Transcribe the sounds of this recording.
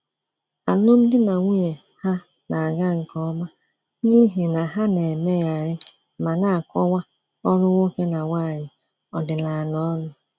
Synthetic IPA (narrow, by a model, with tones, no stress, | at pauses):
a˨no˦m̩˦dɪ˦na˨ŋʷu˦ɲe˨ | ha˦ | na˨a˨ɡa˦ŋ̩˨kɔ˦ma˦ | ni˦ɦi˨na˨ɦa˦ne˨me˦ja˨ɾɪ˦ | ma˨na˦˨kɔ˦wa˦ | ɔ˦ɾʊ˦ŋʷo˦ke˦na˨wa˦˨ɲɪ˨ | ɔ˨dɪ˨la˨a˨nɔ˦nʊ˨